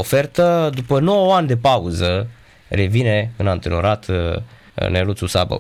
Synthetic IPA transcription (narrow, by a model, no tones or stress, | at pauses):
ofe̞rt̪əd̪upəno̞wəanʲd̪e̞pauzə | re̞vine̞ɨnant̪enoɾat̪ | nelut̪susa̰bə̰